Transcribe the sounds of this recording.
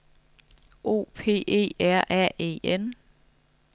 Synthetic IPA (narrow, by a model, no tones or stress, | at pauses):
ʔo̝̰ːpʰe̝̰ːe̝̰ːæɐ̰ʔɛḛːen